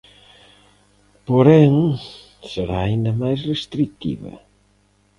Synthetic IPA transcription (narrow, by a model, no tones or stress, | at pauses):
poɾɛŋ | seɾaːind̪ɐmajsrest̪ɾik̚t̪ḭβɐ̰